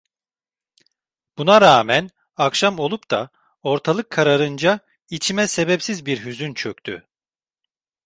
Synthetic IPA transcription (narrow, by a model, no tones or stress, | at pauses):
b̥unaɾaːmɛn | akʃamo̞lˠupt̪a̰ | o̞ɾt̪ʰalˠɯkʰːaɾaɾɯnd͡ʒa | it͡ʃʰimɛse̞bɛpsizbiɾɦyzynt͡ʃʰøk̚t̪ʰy̰